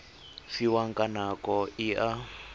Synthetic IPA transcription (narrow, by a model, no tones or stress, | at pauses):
siwaŋkʼanakɔiʔa